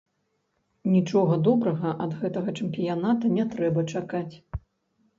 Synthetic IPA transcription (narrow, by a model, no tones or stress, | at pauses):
nʲit͡ʂɔɣɐd̪ɔbɾɐɣɐʔɐd̪ɣɛt̪ɐɣɐt͡ʂɐmpʲijanat̪ɐnʲɛt̪ɾɛbɐt͡ʂakat͡sʲ